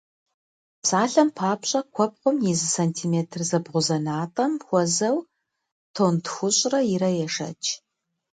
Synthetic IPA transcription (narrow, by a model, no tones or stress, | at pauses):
psaːɬɐmpʰaːpɕʼɐkʷʰɔp̚qʷʊmjizɨsɐntʰiːmeːtʰrzɐbʁʷʊzɐnaːtʼɐmxʷɔzɐw | tʰoːntʰxʷʊɕʼrɐjɪɾɐjɛʂɐ̰t͡ʃʰʼ